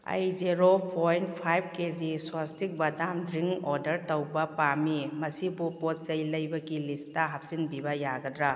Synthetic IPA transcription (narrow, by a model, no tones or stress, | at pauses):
ɐ̰jzeɾopʰojnpʰajb̚keziswastik̚bɐdamdɾiŋɔɾdɐɾtɐwbɐpamimɐsibupot̚zɐjlɐjbɐɡilistɐɦɐp̚sinbibɐjaɡɐdɾa